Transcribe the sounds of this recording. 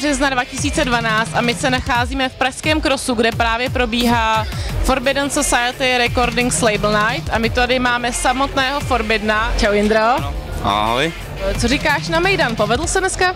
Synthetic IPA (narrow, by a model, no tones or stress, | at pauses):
r̥ɛznadvacɪsiːt͡sɛdvanaːt͡st̪amɪsɛnaxaːziːmɛfpɾaʃskɛːmkɾosuɡdɛpɾaːvjɛpɾo̞biːɦaːfoɾbɪdansosajɛt̪ɪɾɛko̞ɾdɪŋkslejbl̩najt̪amɪt̪adɪmaːmɛsamo̞t̪nɛːɦo̞foɾbɪdnat͡ʃawjɪnd̪ɾoa̰ɦoj | t͡soɾɪkaːʃnamɛjdanpo̞vɛdl̩sɛnɛska